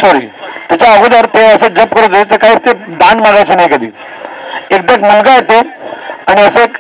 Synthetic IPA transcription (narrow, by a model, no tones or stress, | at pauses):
sɔɾḭːt̪jat͡ɕaəɡud̪aɾt̪eəsed͡ʑəp̚kəɾut̪et̪et̪əɾkaɦiːt̪ed̪anmaɡajt͡ɕenaɦjkəd̪ʱḭː | ek̚d̪əɡməŋɡajet̪eaɽ̃iəse